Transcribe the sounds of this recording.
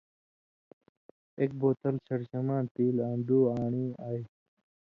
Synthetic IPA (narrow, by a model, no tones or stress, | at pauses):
ek̚boːt̪ɐlt͡ɕʰɐɽɕɐmaːnt̪iːlaːnd̪uːaːɳiːaːj